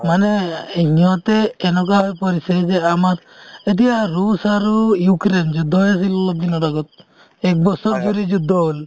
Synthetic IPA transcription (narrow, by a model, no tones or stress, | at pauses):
maneeɲɔt̪eːnɔk̬aɦɔjpɔɾised͡ʒeamat | et̪̬ijaɾusaɾujukɾend͡ʒud̪ʱːɔɦjas̬ilɔɔd̪inɔɾɔɡɔt̪̚ | ek̚bɔsɔɾd͡ʒuɾid͡ʒud̪ʱːɔɦol